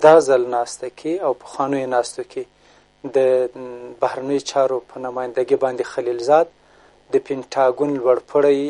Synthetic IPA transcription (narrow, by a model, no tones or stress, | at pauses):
d̪ɑzalnɑst̪akʰeawpə̥xwɑnəjonɑst̪okʰe | d̪ə | bahɾanəjot͡ʃɑɾopʰənamɑjɪnd̪aɡibɑnd̪exalilzɑd̪̚ | d̪əpɪɳʈʰɑɡunlwaɽpʰəɽaj